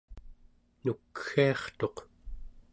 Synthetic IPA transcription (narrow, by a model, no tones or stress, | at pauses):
nukxiɑχt̪o̞q